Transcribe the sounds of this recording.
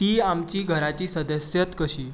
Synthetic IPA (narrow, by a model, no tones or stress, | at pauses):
t̪iːamt͡ɕiːɡʱəɾat͡ɕiːsəd̪əsjət̪kəɕiː